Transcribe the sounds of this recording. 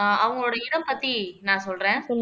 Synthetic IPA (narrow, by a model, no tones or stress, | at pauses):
ʔɐʋɐŋɡɐɭoːɽɐɪɽɐmpɐt̪ːinãːsɔlɾẽː